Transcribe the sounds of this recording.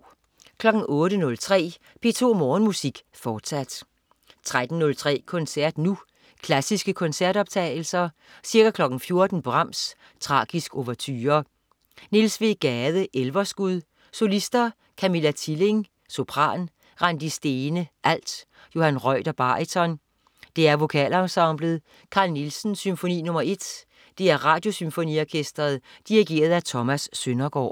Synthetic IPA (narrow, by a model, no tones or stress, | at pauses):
kʰlɒ̽ɡ̥n̩ɔ̽ːɾənɔ̽lt͡sʰʁɛ̰ː | b̥e̝t͡sʰo̝̰ːmɔːnmusiɡ̥ | fɒːd̥sæd̥ | t͡sʰʁad̥n̩nɔ̽lt͡sʰʁɛ̰ːkʰɔ̽nsæɐ̰d̥nu | kʰlæsisɡ̥əkʰɔ̽nsæɐ̰d̥ɒ̽b̥̚t͡sʰɛ̰ːɪl̩sɐ | siɐɡ̥ækʰlɒ̽ɡ̥n̩fjo̝ɐd̥n̩b̥ʁɑ̈m̰s | t͡sʰʁɑ̰̈ːɡ̥isɡ̥o̝ʋɐt͡sʰyːɐ | ne̝lsʋiɡ̥ɛːðˠəʔelʋɐsɡ̥uðˠ | so̝lisd̥ɐ | kʰæmelæt͡sʰile̝ŋ | so̝pʰʁɑ̰̈ːn | ʁɑnd̥isd̥e̝ːnəʔæl̰d̥ | jo̝hænʁɒɪ̰d̥ɐb̥ɑ̈it͡sʰɒ̽n | d̥e̝æɐʋo̝kʰɛ̰lɒʊsɑ̈mb̥ləð̩ˠ | kʰɑ̈ːlnilsn̩symfo̝nḭːnɔ̽mɐe̝d̥ | d̥e̝æɐʁɑ̈ːd̥jo̝symfo̝nḭɒkʰesd̥ʁɐð̩ˠd̥iʁiɡ̥e̝̰ːɐð̞ˠæt͡sʰɒ̽mæsːønɐɡ̥ɒ̰ː